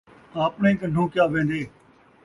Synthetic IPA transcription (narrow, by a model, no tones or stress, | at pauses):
aːpnẽːkəɳɖ̤ʱõːkjaːʋẽːnd̪eː